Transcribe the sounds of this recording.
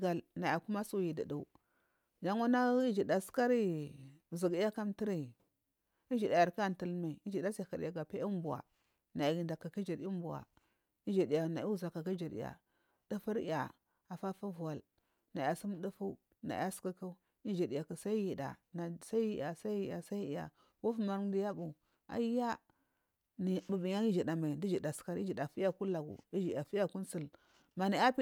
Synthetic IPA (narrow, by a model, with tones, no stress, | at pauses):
ɡa˨lna˨ja˨ku˦ma˦su˦˨ji˨də̰˨du˨ | d͡ʒa˦ŋu˦na˦i˦d͡ʒi˨da˨ska˦ɾi˦˨ | zi˨ɡi˦a˦ka˦mti˦ɾi˨ | i˦d͡ʒi˨da˨ja˨ɾka˦˨n˨tə˦lma˨i˨i˦d͡ʒi˨da˦sa˨ka˨ɾja˨ɡa˨pe˦i˦m˦bu˨a̰˨ | na˨ja˨ɡi˨nda˨ka˨ki˦d͡ʒi˨ɾi˦bu˨wa̰˨ | i˦d͡ʒi˨di˨ja˨na˨i˦u˦˨za˨ka˨ki˦d͡ʒi˨ɾḭ˨ja̰˨ | d̥ə˦fə˦ɾi˦ja̰˨ | a˨fa˦fu˦vu˨wa˨l | na˨a˨si˦m˦du˦fu˦ | na̰˨˦a˦ska˦ka˦ | i˦d͡ʒi˨di˨ja˨kə˨sa˦i˦ji˨da̰˨na˨sa˦i˦ji˦ja˨sa˦ji˨ja˨sa˦i˦i˨˦ja̰˨ | wu˦fma˨ɾdi˨˦ja˦bu˨ | a̰˨i˦ja˦ | ni˨bu˨bi˨ɲa˦i˦d͡ʒi˨da˨ma˨i˨di˦d͡ʒi˨da˨ska˦ɾi˦d͡ʒi˨da˨fi˦a˦˨ku˦la˨ɡṵ˨i˦d͡ʒi˨a˨fi˦a˦ku˦nsi˦l | ma˨na˨˦a˦p